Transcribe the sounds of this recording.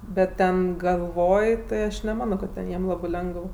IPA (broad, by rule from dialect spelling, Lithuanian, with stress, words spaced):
ˈbʲɛt ˈtʲɛn ɡɐlˠˈʋoːj tɐɪ ˈɐʃ nʲɛˈmɑːnoː kɐt ˈtʲɛn ˈjiɛm ˈlˠɑːbɜ ˈlʲɛŋɡəw